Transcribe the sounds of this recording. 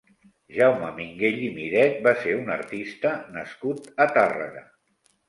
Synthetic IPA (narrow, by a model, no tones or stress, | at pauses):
ʒawməmiŋɡeʎimiɾɛt̪̚baseɾunəɾt̪ist̪ənəskut̪ət̪arə̰ɣə